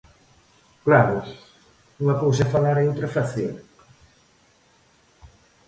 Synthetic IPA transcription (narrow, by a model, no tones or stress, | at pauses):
klaɾʊs | uŋɐpows̬ɐfalaɾeowt̪ɾɐfaθjo̰ŋ